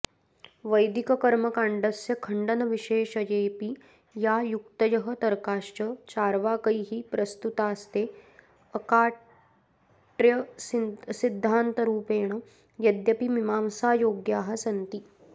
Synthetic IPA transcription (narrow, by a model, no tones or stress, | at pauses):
ʋəjd̪ikɐkɐɾmɐkaɳɖəsjɐkʰəɳɖɐnɐʋiɕeːʃɐjepi | jajukt̪əjɐɦət̪ɐɾkaːʃt͡ɕət͡ɕaːɾʋaːkəiɦiːpɾɐst̪ut̪aːst̪e | əkaː | ʈɾjə | sid̪ʱːaːnt̪əɾuːpeːɳ̃ə | jɐd̪jɐpimimaːmsaːjoːɡjaːɦɐsɐnt̪iː